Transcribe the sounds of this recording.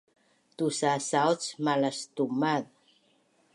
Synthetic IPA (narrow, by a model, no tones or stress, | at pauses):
tusasawt͡smalastumað